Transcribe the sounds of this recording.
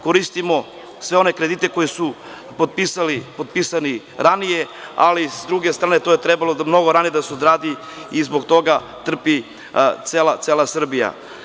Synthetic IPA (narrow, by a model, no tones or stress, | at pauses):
koɾist̪imo̞ | sʋe̞o̞ne̞kɾe̞d̪it̪eko̞jesu | pod̪̚pisalipod̪̚pisani | ɾanijea̰lisd̪ɾuɡe̞st̪ɾaːnet̪ojet̪ɾebalomno̞ɡo̞ɾanijed̪aseod̪ɾaːd̪i | izboɡt̪o̞ɡa | t̪r̩pi | t̪seːlat̪seːlˠasr̩bija̰